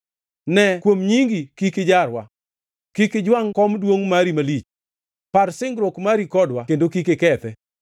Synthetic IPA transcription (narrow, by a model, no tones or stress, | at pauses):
nɛkwomɲiŋɡikikɪd͡ʒaɾwa̰ | kikɪd͡ʒwaŋkɔmdwoŋmaɾimalit͡ʃ | parsɪŋɡɾokmaɾikɔdwakendokikekɛt̪ɛ